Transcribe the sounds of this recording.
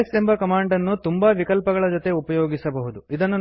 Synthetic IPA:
sembɐkɐmaːɳɖɐnːut̪umbɐʋikɐlpɐɡɐɭɐd͡ʒot̪e̞upɐjo̞ːɡisɐbɐɦud̪uid̪ɐnːu

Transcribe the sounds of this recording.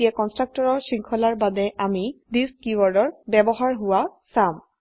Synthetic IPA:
iakɔnstɹak̚tɔɹɔɹsiŋkʰɔlaɹbadɛʔamidiskiwaɹdɔɹbɛbɔɦaɹɦʊwasam

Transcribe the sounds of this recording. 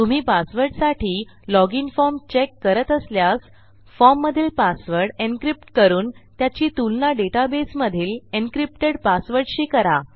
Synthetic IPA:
t̪um̤iːpasʋəɾʈsaʈʰiːlɔɡinfɔɾmt͡ɕekːəɾət̪əsljas | fɔmːəd̪ʱiːlpasʋəɾɖenkɾip̚ʈkəɾuːnt̪jat͡ɕiːt̪ulnaɖeʈabesməd̪ʱiːlenkɾip̚ʈeɽpasʋəɾʈɕiːkəɾa

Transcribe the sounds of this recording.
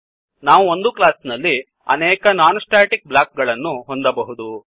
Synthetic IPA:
naːʋuo̞nd̪uklaːsnɐlːi | ɐ̰nɛːkɐnaːnɐsʈaːʈik̚blaːk̚ɡɐɭɐnːuɦo̞nd̪ɐbɐɦud̪u

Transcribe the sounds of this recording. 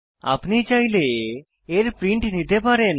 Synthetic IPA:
a̰pnit͡ʃajle | eɾpɾiɳʈnit̪epaɾen

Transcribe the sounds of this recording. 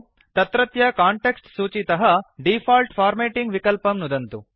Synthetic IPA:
t̪ɐt̪ɾɐt̪jɐkaːɳʈeksʈsuːt͡ʃit̪ɐɦɐɖipʰaːlʈfʰaːɾmeːʈiŋɡʋikɐlpɐmnud̪ɐnt̪u

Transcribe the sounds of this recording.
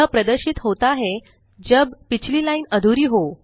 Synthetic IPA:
əpɾəd̪əɾɕiːt̪ɦot̪aɦe | d͡ʑəbpit͡ɕliːlainəd̪ʱuɾiːɦo

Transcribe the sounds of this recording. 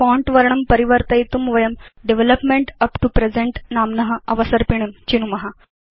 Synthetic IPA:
fɔ̃ɳʈʋəɾɳəmpəɾiʋəɾt̪ɐjit̪umʋɐjəmɖeʋeləpmeɳʈɐpʈupɾed͡zẽɳʈnamnəɦəɐʋəsəɾpiɳ̃emt͡ɕinumɐɦa

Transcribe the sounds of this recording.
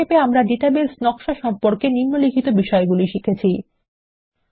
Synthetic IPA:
epeamɾaɖiʈabelsnɔkʃaʃɔmpoɾkeninːolikʰit̪obiʃɔeɡuliʃikʰet͡ɕʰi

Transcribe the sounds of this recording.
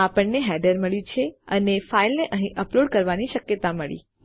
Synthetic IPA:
apəɳneɦɛɖəɾməɭjũt͡ʃʰeənefailneʔəɦĩʔəploɖkəɾʋaniʃəkjət̪aməɭḭ

